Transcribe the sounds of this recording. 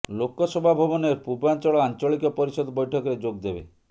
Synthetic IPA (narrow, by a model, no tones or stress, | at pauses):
lokɔsɔbʱabʱɔbɔneɾpubant͡ʃɔɭɔant͡ʃɔɭikɔpɔɾisɔd̪ʱɔbɔjʈʰɔkɔɾed͡ʒoɡ̚d̪ebḛ